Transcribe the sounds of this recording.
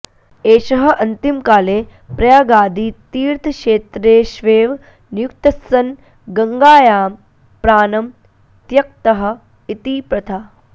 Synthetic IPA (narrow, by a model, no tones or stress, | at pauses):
eːʃɐɦɐ̆ʔɐnt̪imkaːleːpɾɐjaːɡaːd̪iːt̪iːɾt̪ʰɐʃeːt̪ɾeːʃʋeːʋ | njuk̚t̪ɐsːɐn | ɡɐŋɡaːjaːm | pɾaːnɐm | t̪jɐk̚t̪ɐɦɐ̆ | it̪iːpɾɐt̪ʰaː